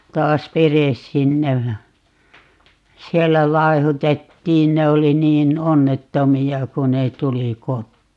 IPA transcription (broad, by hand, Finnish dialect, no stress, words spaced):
tɑːs ʋeres sinːej jɑ sielːæ lɑehutetːiːn ne oli niːn onːetːomiɑ ku ne tuli kotːiː